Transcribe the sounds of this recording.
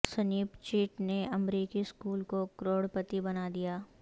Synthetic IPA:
sɐniːbt͡ʃiːʈneɐmɾiːkiskuːlkokɾoːɽpət̪ibɐnaːd̪ijaː

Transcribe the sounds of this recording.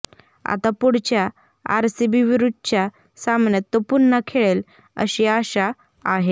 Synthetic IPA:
a̰t̪apuɽt͡ɕja | a̰ɾsibiʋiɾud̪̚ʱt͡ɕja | samɳjat̪ːopunːakʰeɭel | ə̰ɕiaɕaː | ɦe

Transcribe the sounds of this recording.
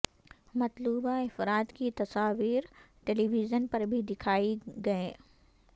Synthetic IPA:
mɐt̪luːbaɪfɾaːt̪kit̪ɐsaːʋiːɾ | ʈeːliːʋizənpɐɾbʱid̪ɪkʰaːiɡɐeː

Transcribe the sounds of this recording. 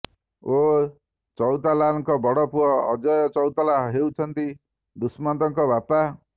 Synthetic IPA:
o | t͡sɔwt̪alaŋkɔbʌɽɔpuʌ̰ːd͡ʒʌjt͡sʌwt̪alaɦɦewt͡sʰʌnt̪i | d̪usmand̪ʌŋkɔbʱapa

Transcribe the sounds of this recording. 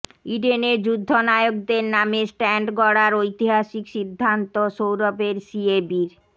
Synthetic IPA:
iɖeneɾd͡ʑud̪ʱːonaeoɡ̚d̪eɾnamesʈɛɳɖɡɔɽaɾojt̪iɦaʃikʃid̪ʱːant̪oʃowɾɔpeɾsiebiɾ

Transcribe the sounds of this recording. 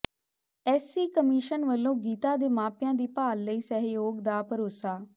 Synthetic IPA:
ɛːsiːkəmiːʃənʋəlːõːɡiːt̪ãːd̪eːmãːpjãːd̪iːpaːlːəiːsəɦjoːɡd̪aːpəɾoːsaː

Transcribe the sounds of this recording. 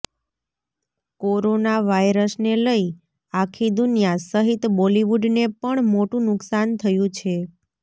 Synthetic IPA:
koɾonaʋajɾəsneləi | akʰid̪ʊnjasəɦit̪boliʋuɖnepəɳmoʈũnʊksant̪ʰəjũt͡ʃʰe

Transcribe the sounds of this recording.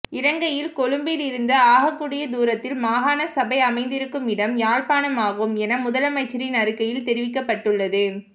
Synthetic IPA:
ɪɾɐŋɡɐjɪlkɔɻɯmbɪlɪɾɯnd̪ɐaːɣɐkːuːɽɪjɐd̪uːɾɐt̪ːɪlmaːɣaːnɐsɐbɐɪɐmɐɪnd̪ɪɾɯkːɯmɪɽɐmjaːɻpaːnɐmaːɣɯmɛnɐmʊðɐlɐmɐɪt͡ʃːɪɾɪnɐɾɯkːɐjɪlt̪ɛɾɪʋɪkːɐpːɐʈːɯɭːɐðɯ

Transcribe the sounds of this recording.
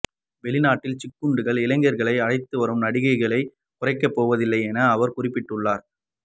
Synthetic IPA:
ʋɛɭɪnaːʈːɪlt͡ʃɪkːɯɳɖɯɣɐɭɪlɐŋɡɐɾɣɐɭɐɪɐɻɐɪt̪ːɯʋɐɾɯmnɐɽɪɣɐɪɣɐɭɐɪ | kʊrɐɪkːɐpːoːʋɐðɪlːɐɪɛnɐːʋɐɾkʊrɪpːɪʈːɯɭːaːɾ

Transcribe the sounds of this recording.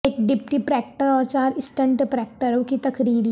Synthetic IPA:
ekɖɪpʈipɾɛːk̚ʈəɾɔːɾt͡ʃaːɾɪsʈə̃ɳʈpɾɛːk̚ʈəɾokit̪ɐkɾiːɾ

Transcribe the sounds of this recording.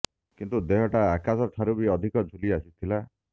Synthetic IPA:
kint̪ud̪eɦɔʈaːkasɔʈʰaɾubiɔd̪ʱikɔd͡ʒʱuliasit̪ʰila

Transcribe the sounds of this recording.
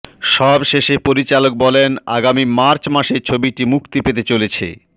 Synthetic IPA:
ʃɔbʃeʃepoɾit͡ɕalok̚bɔlena̰ɡamimaɾt͡ɕmaʃeɾt͡ɕʰobiʈimukt̪ipet̪et͡ɕolet͡ɕʰḛ

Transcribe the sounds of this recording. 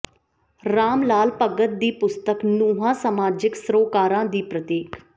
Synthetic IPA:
ɾaːmlaːlpəɡət̪̚d̪iːpʊst̪əknuːɦãːsəmaːd͡ʒɪksɾoːkaːɾãːd̪iːpɾət̪eːk

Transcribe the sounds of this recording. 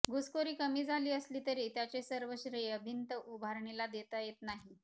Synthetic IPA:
ɡuskoɾiːkəmiːd͡zʱaliːəsliːt̪əɾiːt̪jat͡ɕesəɾʋəɕɾəeəbʱint̪əʔubʱaɾɳilad̪et̪əjet̪naɦi

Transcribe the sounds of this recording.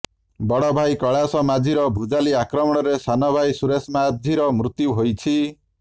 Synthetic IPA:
bɔɽɔbʱajkɔɭasɔmad͡ʒʱiɾɔbʱud͡ʒaliakɾɔmɔɽ̃ɔɾesanɔbʱajsuɾesmad̪ʱiɾɔmɾut̪juɦojt͡ʃʰi

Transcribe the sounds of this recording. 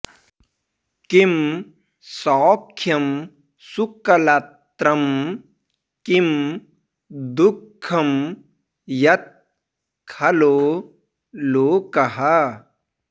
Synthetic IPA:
kim | sɔːkʰːjɐm | sukɐlat̪ɾɐm | kim | d̪ʊkʰːɐm | jɐt̪̚ | kʰɐloː | loːkɐɦɐ

